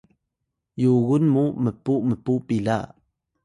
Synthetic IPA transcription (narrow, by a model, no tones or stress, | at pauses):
juɣunmuməpuməpupila̰ʔ